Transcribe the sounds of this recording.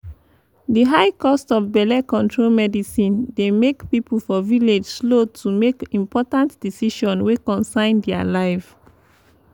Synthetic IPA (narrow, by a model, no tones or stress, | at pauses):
diɦaɪkɔstɔfbɛlɛkɔ̃ntʰɹolmɛdisĩndemekpipufɔviled͡ʒslotʰumekĩmpɔtãntd̥isiʃɔ̃nwekɔ̃nsãɪ̃ndɛa̰laɪv